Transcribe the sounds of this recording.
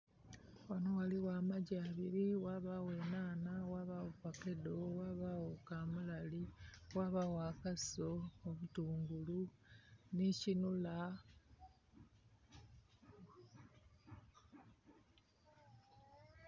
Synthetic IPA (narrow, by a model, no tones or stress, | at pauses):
wanowaliwaːmaɟaːβiɾiwaβawe̞naːnawaːβaβupake̞dowaːβawokaːmulaliwaːβawaːkaso̞ːβutuːŋɡulu | nicinula